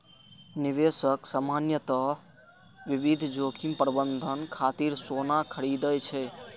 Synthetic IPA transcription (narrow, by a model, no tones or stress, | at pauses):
niʋesəksamanjət̪ə | ʋiʋid̪ʱd͡ʒokʰimpɾəbənd̪ʱənkʰat̪iɾsonakʰəɽid̪əjt͡ʃʰɛ